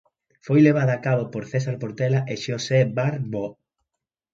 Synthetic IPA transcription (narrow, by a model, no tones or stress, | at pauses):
fojleβ̞aðɐakaβopoɾθɛsaɾpoɾt̪ɛlaʔeʃosebaɾbo